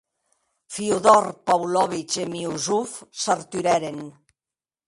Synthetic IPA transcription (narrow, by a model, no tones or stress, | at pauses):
fiuðɔɾpawlɔβit͡ʃemiuzufsaɾt̪yɾɛɾen